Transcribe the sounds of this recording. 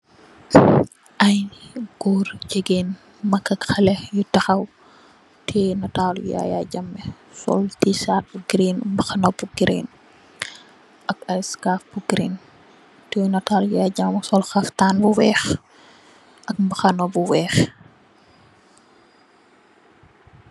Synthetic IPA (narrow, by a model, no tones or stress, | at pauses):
ʔɐjɡ̥ɔːrd͡ʒɛɡeːn | mɐkːɐkxɐlɛjutɐxɐw | tʰɛːnɐtaːlj̰ja̰ja̰ɟɐmːɛ | sɔ̰ltisaːt̚buɡɾinmbɐxɐnɔbuɡɾḭn | ʔɐkɐɾiskaːfb̥uɡɾiːn | tɛnɐtaːljjaːɟamsɔlxɐftaːnbuwɛːx | ʔɐk̚mbɐxɐnɔbuwɛːx